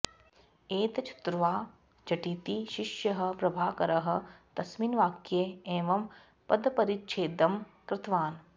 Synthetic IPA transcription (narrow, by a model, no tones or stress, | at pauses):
eːt̪ɐt͡ʃʰɐ̥t̪ɾɐʋaː | d͡ʒɐʈiːt̪iʃɪʃjɐɦɐ̆pɾɐbʱaːkɐɾɐɦɐ̆t̪ɐsminʋaːkjeeːʋɐm | pɐd̪pɐɾitːʃʰeːd̪ɐmkɾɪt̪ʋaːn